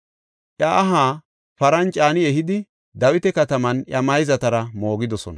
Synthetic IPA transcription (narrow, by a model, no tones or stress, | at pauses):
ʔjɐʔːɦaː | pɐɾɐnt͡ʃʼaːnɪɛhɪd̪ɪ | d̪ɐwɪt̪ɛkɐt̪ɐmɐnjɐmɐjzɐt̪ɐɾɐmo̞ːɡɪd̪ɔsɔ̰nɐ